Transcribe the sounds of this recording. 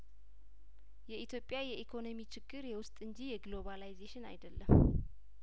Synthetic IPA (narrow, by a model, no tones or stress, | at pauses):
jɛʔit̪ʰjo̞pʼːjajɛʔikʰo̞no̞mit͡ʃʰɪɡːɨɾjɛwʊst̪ʼɨɲd͡ʒijɛɡlo̞βalajzeʃɪna̰jd̪əlːəm